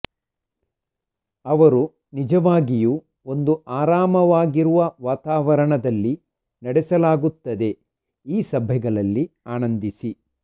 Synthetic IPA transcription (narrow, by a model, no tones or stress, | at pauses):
ɐʋɐɾu | nid͡ʒɐʋaːɡiju | o̞nd̪uaːɾaːmɐʋaːɡiɾuʋɐʋaːt̪aːʋɐɾɐɳɐd̪ɐlːi | nɐɽɛsɐlaːɡut̪ːɐd̪e̞ | iːsɐbʱjɐɡɐɭɐlːiaːnɐnd̪isi